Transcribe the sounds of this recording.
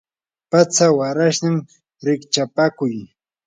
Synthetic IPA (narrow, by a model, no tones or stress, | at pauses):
pat͡sawaɾaʃnɪm | ɾɪkt͡ʃapakʊj